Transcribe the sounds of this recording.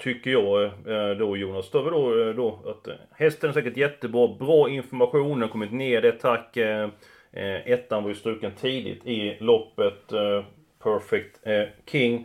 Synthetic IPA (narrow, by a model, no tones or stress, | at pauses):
t̪ʰʏkːəjɑːd̪ojuːnast̪øːvəɖod̪ɔat̪ | hɛst̪ʰənɛsɛːkəʈjɛt̪ːəbɾɑːbɾɑːɪnfɔɾmaɧuːnənkʰɔmːɪt̪neːɖɛt̪ʰakː | ɛt̪ːanvʏst̪ɾʉ̟ːkənt̪ʰiːd̪ɪ̰t̪ʰɪlɔpːət̪ | pʰœɾfɛk̚t̪kʰɪŋː